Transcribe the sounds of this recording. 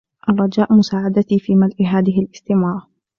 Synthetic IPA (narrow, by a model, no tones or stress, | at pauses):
ʔɑrˤːɑd͡ʒaːʔmʊsaːʕad̪at̪ifiːmalʔɪɦaːðɪɦɪlʔɪst̪ɪmɑːɾˤɑ